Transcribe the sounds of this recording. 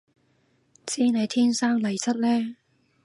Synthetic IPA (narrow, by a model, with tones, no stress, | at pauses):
t͡siː˥ne˨˧jt̪ʰiː˥nsaː˥ŋlɐ˨˩jt͡sɐ˥t̚lɛː˥